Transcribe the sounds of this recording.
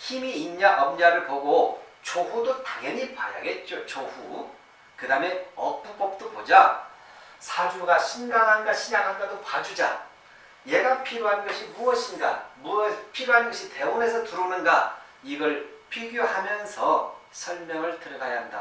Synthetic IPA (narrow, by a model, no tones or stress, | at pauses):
çimiːɲɲaʔʌm̚ɲaɾɯɭpoɡot͡ɕoɦudotaɡʌɲipa̰ja̰ɡe̞t̚t͡ɕ͈ot͡ɕoɸu | kɯdame̞ʌt͈upʌk̚t͈opod͡ʑa | sʰad͡ʑuɡaɕʰinɡaŋɦanɡaɕʰiɲaŋɦanɡadopad͡ʑud͡ʑa̰ | je̞ɡapʰiɾoɦannɡʌɕʰimuʌɕʰinɡa̰muʌpʰiɾoɦannɡʌɕʰite̞one̞sʰʌtuɾunɯnɡa | iɡʌɭpʰiɡjoɦamjʌnsʰʌsʰʌɭmjʌŋɯɭtɯɾʌɡajaɦanda̰